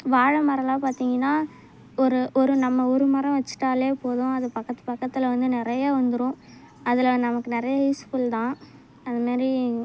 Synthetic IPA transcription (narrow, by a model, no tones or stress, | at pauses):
ʋaːɻɐmɐɾɐlaːpaːɾt̪iːŋɡɐnːaː | ɔɾɯʔɔɾɯnɐmːɐʊɾɯmɐɾɐ̃ʋɐt͡ʃːɯ̥ʈːaːleːpoːðʊ̃ɐðɐpɐkːɐt̪ːɯpɐkːɐt̪ːɪlɐʋɐnd̪ɯnɪɾɐjaːʋɐnd̪ɯɾʊ̃ | ɐðɪlɐɐnd̪nɐmɐkːɯnɪɾɐjɐɦɐɪskuːlt̪ãː | ɐnd̪ɐmaːdɾi